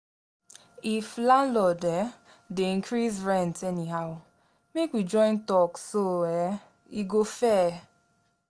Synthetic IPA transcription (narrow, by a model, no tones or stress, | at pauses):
iflãnlɔdɛ | deĩŋkʰɾisɹɛ̃ntɛniɦaʊ | mekwid͡ʒɔ̃ɪ̃ntɔksoɛ | iɡofɛ